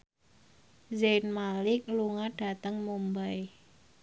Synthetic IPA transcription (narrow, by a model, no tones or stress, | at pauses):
zenmalɪk̚luŋaɖ̥a̤t̪əŋmumbaj